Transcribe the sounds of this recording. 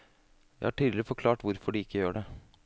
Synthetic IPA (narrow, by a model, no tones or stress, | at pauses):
jæɪhɑʈʰiːd̪ɪɪfɔɾkʰlɑːʈʋʊɾfɔɖɪɪkːəjøːɖɛ